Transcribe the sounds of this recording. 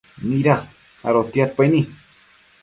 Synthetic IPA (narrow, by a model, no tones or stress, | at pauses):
miɾaχ | a̰ɾot̪jat̪̚pajni